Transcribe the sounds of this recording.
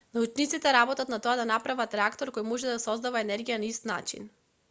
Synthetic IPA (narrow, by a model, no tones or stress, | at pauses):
naut͡ʃnit̪sit̪ɛɾabɔt̪at̪nat̪ɔad̪anapɾavat̪ɾɛakt̪ɔɾkojmɔʒɛd̪sɔzd̪avaɛnɛɾɡijanaist̪na̰t͡ʃḭn